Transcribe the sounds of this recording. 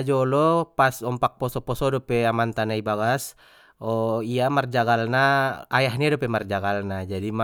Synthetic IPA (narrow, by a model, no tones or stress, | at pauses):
d͡ʒɔlɔpasɔmpak̚pɔsɔpɔsɔdɔpɛamant̪anaibaɡas | ɔiamard͡ʒaɡalnaːjaɦɲadɔpɛmard͡ʒaɡalnad͡ʒadima